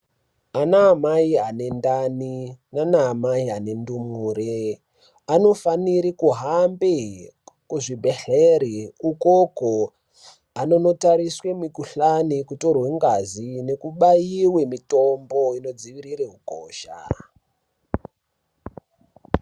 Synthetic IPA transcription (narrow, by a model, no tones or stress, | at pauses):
anaːmaiane̞ndaninanaːmaiane̞ndumuːre | ano̞faniɾikuɦambekuʐibʱeɬeɾiukoko | ano̞no̞taɾiswe̞mikuɬanikuto̞rweŋɡazine̞kuɓaiwemitombo̞ino̞d͡ziʋiɾireɦuko̰ːʃa̰